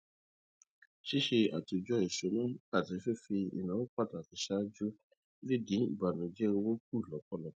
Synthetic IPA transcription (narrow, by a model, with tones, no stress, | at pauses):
ʃi˦ʃe˧a̰˨ti˧d͡ʒɔ˧˦i˨ʃo˨˦nã˦a˦˨ti˨˧˦fe˦fi˧ḭ˨nã˨˦wo˦k͡pa˦˨ta˨ti˨˦ʃa˦d͡ʒu˦ | li˦dĩ˨˦ḭ˦˨ba˨nũ˨d͡ʒɛ˦o˧wo˦k̚u˦˨lɔ˨˦k͡pkɔ˦lɔ˨˦